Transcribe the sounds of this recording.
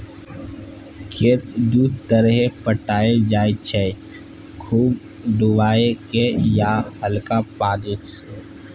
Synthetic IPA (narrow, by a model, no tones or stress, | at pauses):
kʰet̪d̪uːɾt̪əɾɦepəʈaːed͡ʒaːet͡ʃʰe | kʰuːb | ɖ̪ʊʋaːekejahəlkapaːd̪et͡ʃ